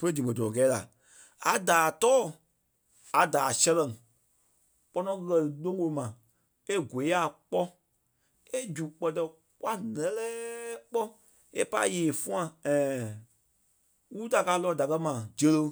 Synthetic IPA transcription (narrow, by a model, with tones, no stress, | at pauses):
fə˧ɾe˦dĩ˨mə̃˨dɔ˨ɔ̃˨kɛ˨˦la̰˨ | a˨daː˨tɔː˦˨ | a˨daː˨sɛ˧lɛ̃˨ŋ | k͡pɔ˧nɔ̃˧˦˧kɜ˧lɨ˨lõ˦wo˧mã˨ | e˦ɡʷe˨˦a˨k͡pɔ˦ | e˦d͡ʒu˨k͡pɜ˨tɛ˧ | kwa˦nɛ̃˨˦lɛː˦k͡pɔ˦ | e˦pa˧i˦jeː˨fũ˦ã˧ɛ̃ː˨ | wu˦ta˨kaː˧˦lɔ˧˨da˨kɜ˧mã˨d͡ʒə˧lə˧